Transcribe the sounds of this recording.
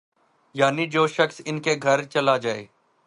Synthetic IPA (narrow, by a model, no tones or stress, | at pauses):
jaːnid͡ʒoːʃəksɪnkeɡʱɐɾt͡ʃɐlad͡ʒaːḛː